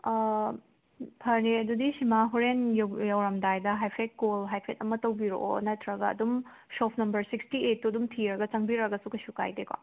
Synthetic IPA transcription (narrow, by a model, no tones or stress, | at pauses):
pʰɐɾeɐdudisimaɦuɾenjjɐwɾɐmdajdɐɦajpʰek̚kolɦajpʰetɐmɐtɐwbiɾo̰ʔonɐtʰɾɐɡɐ̰ːdum | sopʰnɐmbɐɾsikstiet̚ːuɐdumtʰiɾɐɡɐt͡ʃɐŋbiɾɐɡɐsukɐsuka̰jdeka̰